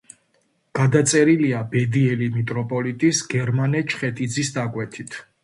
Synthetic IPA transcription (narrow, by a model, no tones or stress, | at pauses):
ɡ̥ad̪at̪sʼɛɾiliabɛd̪iɛlimit̪ʼɾɔpʼɔlit̪ʼisɡ̥ɛɾmanɛt͡ʃʰχɛt̪ʼid̪zisd̪akʼwɛt̪ʰit̪ʰ